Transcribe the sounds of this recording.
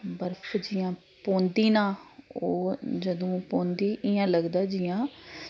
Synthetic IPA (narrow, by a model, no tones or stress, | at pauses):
bəɾfʰd͡ʒiːãː | põːnd̪iːnãːoːd͡ʒəd̪õːpõːnd̪iːʔɪjãːləɡd̪aːd͡ʒiːjãː